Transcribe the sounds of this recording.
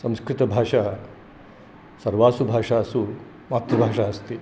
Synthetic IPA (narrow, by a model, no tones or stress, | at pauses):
sɐ̃w̃skɾit̪əbʱaʂa | sɐɾʋasubʱaʂaəsu | mat̪ɾəbʱaʂaəst̪e